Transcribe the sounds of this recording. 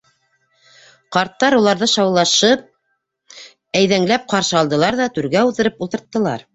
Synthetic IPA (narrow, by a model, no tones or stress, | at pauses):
qɑɾt̪ːɑɾulˠɑɾðɤʃɑwlˠɑʃɤp̚ | æjðæŋlæp̚qɑɾʃɤ̆ɑlˠd̪ɤ̆lˠɑɾðɑt̪ʉɾɡæuðɤ̆ɾɤpulˠt̪ɤ̆ɾt̪ːɤ̆lˠɑ̰ɾ